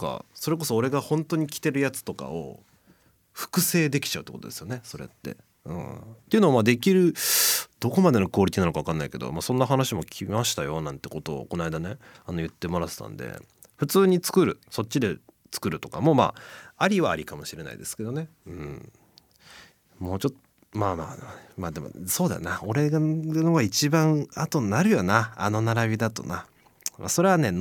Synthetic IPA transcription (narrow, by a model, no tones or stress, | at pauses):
ka̰so̞ɾe̞ko̞so̞ːɾe̞ɡahõ̞nt̪o̞ɲ̟ikʲi̥t̪e̞ɾɯ̟jat͡sɨ̥t̪o̞ka̰o̰ | ɸɯ̥kɯ̟se̞ːd̪e̞kʲi̥t͡ɕaɯ̟t̪ːkot̪od̪esɨjo̞ne̞so̞ɾe̞̰t̪ːe̞̰ | ɯ̟̰̃t̪ːeiɯ̟noːmaːd̪e̞kʲiɾɯ̟d̪̥o̞ko̞mad̪e̞no̞ko̞ːɾʲit̪ʲkʲinanokaakãnːaike̞d̪o̰maːsõ̞nːaɦanaɕimo̞kʲʰimaɕi̥t̪ajo̞nãnt̪eko̞t̪o̞̰ːko̞naid̪ane̞ | anojɯ̟t̪ːe̞mo̞ɾat̪e̥t̪ã̰nd̪ḛ | ɸɯ̟t͡sɨːɲ̟it͡sɨ̥kɯ̟ɾɯ̟so̞tʲːid̪e̞ | t͡sɨ̥kɯ̟ɾɯ̟t̪o̞kamo̞ːma̰ːaɾʲiβaːɾʲikamo̞ɕiɾe̞na̰ḭd̪e̞sɨ̥ke̞d̪one̞ɯ̟̃ɴɴ | moːt͡ɕot̪ | maːmaːmaːd̪e̞mo̰so̞ːd̪a̰nao̞ɾe̞ɡanoɡait͡ɕibãɰat̪o̞naɾɯ̟jonaano̞naɾabʲid̪at̪o̞̰na | ma̰so̞ɾe̞βane̞n